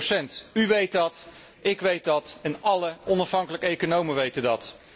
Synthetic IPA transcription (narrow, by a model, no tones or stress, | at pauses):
sɛntyʋejtɑt | ɪkʋejt̚dɑtɛnɑləɔnɑfɦɑŋkələkəejkonowməʋejtədɑt